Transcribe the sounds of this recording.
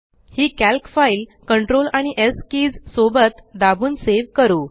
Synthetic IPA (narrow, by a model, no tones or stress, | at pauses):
hiːkælkfailkəɳʈɾolaɽ̃iʔeskiːd͡zsobət̪d̪abʱuːnseʋkəɾuː